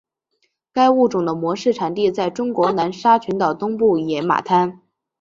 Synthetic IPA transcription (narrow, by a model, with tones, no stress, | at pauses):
ka˥ɪu˥˩ʈ͡ʂʊ˨˩ŋd̪ə˦mwɔ˧˥ʂɻ̩˥˩ʈ͡ʂʰa˨˩nt̪i˥˧t͡sa˥˩ɪʈ͡ʂʊ˥ŋkwɔ˧˥na˧˥nʂa˥t͡ɕʰy˧˥nt̪ɑ˨˩ʊt̪ʊ˥ŋpu˥˩jɛ˧˥ma̰˨˩t̪ʰa˥n